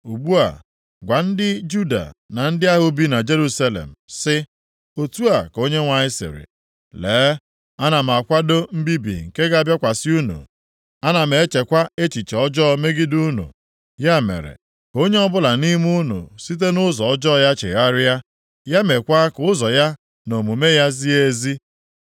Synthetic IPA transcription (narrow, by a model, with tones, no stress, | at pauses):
u˨bu˦a̰˨ | ɡʷa˨n̩˦dɪ˦d͡ʒu˦da̰˨na˨n̩˦dɪ˦a˦ɦʊ˨bi˦na˨d͡ʒe˦ɾu˦sa˦lḛ˨m̩˨sɪ˦ | o˨tu˦a˨ko˦ɲe˦ŋʷa˨ɲɪ˦sɪ̰˨ɾɪ̰˨ | leː˨˦ | a˦na˨m̩˨a˨kʷa˦do˦m̩˦bi˦bḭ˨ŋ̩˨ke˦ɡa˦a˦˨bja˦kʷa˨sɪ˦u˦nṵ˨ | a˦na˨m˨e˨e˦t͡ʃe˨kʷa˦e˦t͡ʃi˨t͡ʃe˨ɔ˦d͡ʒɔ˦me˦ɡɪ˦du˦nṵ˨ | ja˦mḛ˨ɾḛ˨ | ko˦ɲe˦ɔ˦bʊ˦la˨ni˦m˦u˦nṵ˨si˦t̬e˦nʊ˦zɔ˨ɔ˦d͡ʒɔ˦˨ja˦t͡ʃḛ˨ɣa˦ɾɪ˦a˦ | ja˦me˨kʷa˦kʊ˦zɔ˨ja˦ | no˨mu˨me˦ja˦zi˦e˦zi˦